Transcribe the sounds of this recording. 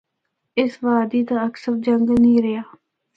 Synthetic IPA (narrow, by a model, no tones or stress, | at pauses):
ɪsʋaːd̪iːt̪aːəksəɾd͡ʒəŋɡnĩːɾɪjaː